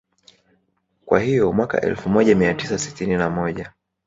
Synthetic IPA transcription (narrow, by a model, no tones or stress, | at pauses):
kwa̰hijɔmwaka̰ʔɛ̰lfumɔʄamiatisasi̥tininamɔʄa